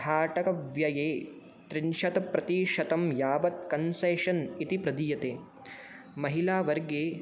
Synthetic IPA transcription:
aːʈɐkɐʋjɐjeː | t̪ɾinʃɐt̪ɐpɾɐt̪iːʃɐt̪ɐmjaːʋɐt̪̚kɐnseːʃɐnit̪ipɾɐd̪iːjɐt̪eː | mɐɦilaːʋɐɾɡeː

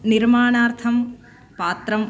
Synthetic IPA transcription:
niɾmaːɳaːɾt̪ʰɐm | paːt̪ɾɐm

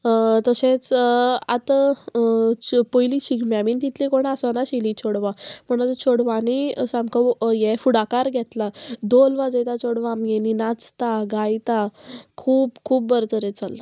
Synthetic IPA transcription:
t̪əsẽt͡sat̪ə | pojlit͡ɕʰiɡmjamiːnt̪it̪ʰlikoɽ̃asənaɕilit͡ɕʰoɽʋãm̤əɽ̃at̪ət͡ɕʰoɽʋaniəsãmkʰəwjɛfuɽakaɾɡʱɛt̪lad̪olʋad͡zet̪at͡ɕʰoɽʋaːmɡeninat͡st̪aɡajt̪akʰuːpkʰuːpbəɾt̪əɾet͡salːa

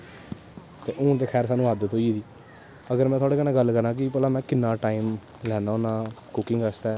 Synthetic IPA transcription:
t̪eːʔʊ̃ːt̪̬eːkʰɛːɾsaːnũːəd̪t̪oːiːd̪iː | əɡəɾmɛ̃ːt̪ʰaːɽeːkənãːɡəlːkəɾãːk̬ɪpəːlãːmɛ̃ːkɪnːãːʈaːiːm | lɛːnaːoːnãːkʊkɪŋɡəst̪ɛː

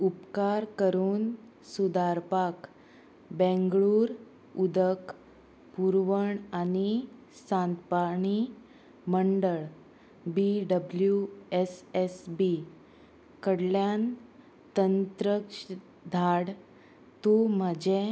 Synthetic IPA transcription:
upkaɾkəɾuːn | sud̪aɾpak | bɛ̃ŋɡɭuːɾ | ud̪ək | puɾʋəɳani | sãnt̪paɳ̃i | məɳɖəɭ | biɖəbljuesesbi | kəɽljan | t̪ənt̪ɾəkʂ | d̪ʱaɽ | t̪um̤əd͡ʑe

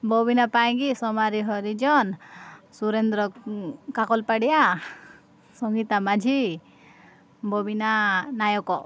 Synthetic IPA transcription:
bʱɔbinapaj̃ɡisɔmaɾiɦɔɾid͡ʒɔnsuɾend̪ɾɔkakɔlpaɽija | sɔŋɡit̪amad͡ʒʱi | bʱɔbinanajɔkɔ

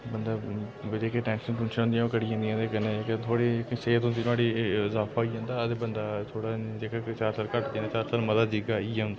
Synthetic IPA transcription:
bənd̪aː | ʋəd͡ʒeːkeʈɛ̃ːnʃənʈʊ̃nʃəɦʊnd̪ijãːkəɽiːãːnd̪ĩãːekɛnẽket̪ʰoːɽiːseːt̪õːd͡ʒɪnaːɽiːɪzaːpʰaːɦoiːd͡ʒãːnd̪aːət̪eːbənd̪aːt̪ʰoːɽaːd͡ʒeːkakt͡ʃaːɾsəːɾkəʈd̪ẽːnaːt͡ʃaːɾsəːɾməd̪aːd͡ʒɪɡaːiːd͡ʒãːnd̪aː

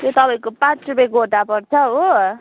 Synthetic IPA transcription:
j̪ot̪ʌpaĩkopãt͡srupeɡoʈapʌrt͡sʰʌo

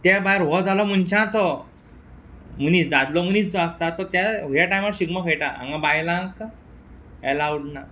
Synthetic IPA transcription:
t̪ɛbajɾɦɔd͡zʱalɔmunt͡ɕãt͡sɔ | munisd̪ad̪lɔmunisd͡zɔast̪at̪ːɔt̪jaɦjaʈajmaɕiɡmɔkʰejʈaʔã̰ŋɡãbajlãk | ɛlawɖna

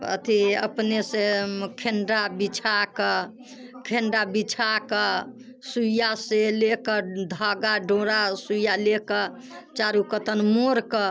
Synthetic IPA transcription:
ə̰t̪ʰiə̰pnesekʰenɖabit͡ʃʰakə | kʰenɖabit͡ʃʰakə | sujaselekəd̪ʱaɡaɖoɾasujalekə | t͡ʃaɾukət̪ənmoɾkə

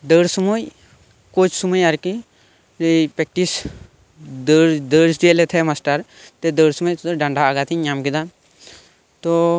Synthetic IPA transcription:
d̪əːɽsumoj | kot͡ʃʰsuməjɐɾki | pek̚ʈis | dd̪əɾsdelet̪ʰemasʈəɾ | t̪ed̪əɽsuməjt̪t̪ɖɐɳɖʱaːɡat̪ʰiɲamkid̪an | t̪o

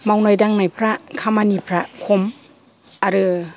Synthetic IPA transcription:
mawnajdaŋnajpʰɾakʰamanipʰɾakʰom | aɾɯ

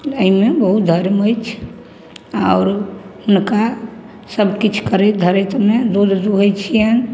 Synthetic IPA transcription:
əɦimebəɦut̪̚d̪ʱəɾməjt͡ʃʰ | aʊɾunka | səbkit͡ʃʰkəɾɛd̪ʱəɾet̪med̪od̪ʱd̪uɦojt͡ʃʰiən

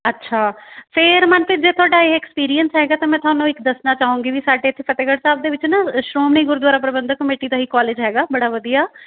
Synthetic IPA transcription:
ətːʃʰaːpʰɪɾmənpʰɪd͡ʒeːt̪ʰʊaːɖaːeɛːkspiːɾijənsɦɛːɡaːt̪ãːmɛ̃ːt̪ʰoaːnũːɪkd̪əsnaːt͡ʃaːũːŋɡiːʋiːsaːɖeːt̪ʰːepət̪eːɡəɽsaːb̚d̪eːʋɪt͡ʃnaʃɾoːmneiɡʊɾd̪waːɾaːp̬ɾəbənd̪əkəmeːʈiːd̪aːɦiːkaːleːd͡ʒɦɛːɡaːbəɽaːʋəd̪ijaː

